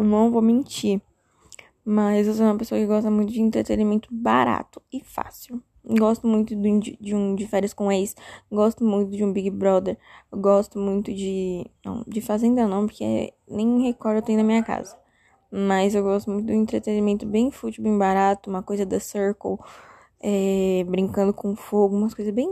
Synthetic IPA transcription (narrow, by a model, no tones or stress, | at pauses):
ewnɐ̃vomẽnt͡ʃiɾ | mɐzews̬ɛũmɐpesoɐkɪɡɔst̪ɐmũj̃t̪ʊd͡ʒɪẽnt̪ɾet̪enimẽnt̪ʊbaɾa̰t̪ʊ̥ɪfa̰siw | ɡɔst̪ʊmũj̃t̪ʊd̪̃d͡ʒɪd͡ʒɪũd͡ʒɪfɛɾiɐskõelɪsɡɔst̪ʊmũj̃t̪ʊd͡ʒɪũbiɡɪbɾɔd̪eɾeɡɔst̪ʊmũj̃t̪ʊd͡ʒɪnɐ̰̃w̃d͡ʒɪfazẽnd̪ɐnɐ̃w̃poɾke | nẽj̃hekɔɾd̪ewt̪ẽj̃nɐmĩɲɐka̰zɐ | mɐzewɡɔst̪ʊmũt̪ʊd̪ʊẽnt̪ɾet̪enimẽnt̪ʊbẽj̃fut͡ʃiwbẽj̃baɾat̪ʊũmɐkojzɐd̪ɐsɛɾkow | ɛbɾĩŋkɐ̃nd̪ʊkʰõʊfoɡʊũmɐskojzɐzbẽj̃